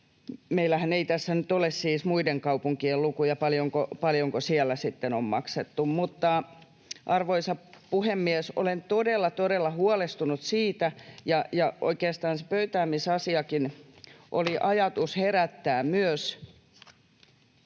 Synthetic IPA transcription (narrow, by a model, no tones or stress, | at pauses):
meilæhæneit̪æsːænyt̪olessiːsmuideŋkɑupuŋkiellukujɑpɑljoŋkopɑljoŋkosiɛlːæsit̪ːenommɑkset̪ːummut̪ːɑ | ʔɑrʋoisɑpuhemːiesʔo̰lent̪odelːɑt̪odelːɑhuɑlest̪unut̪siːt̪æjɑjɑʔo̰ikeːst̪ɑːnse̥pøyt̪æːmisɑsiɑkinʔo̰liʔɑjɑt̪usheræt̪ːæːmmyøs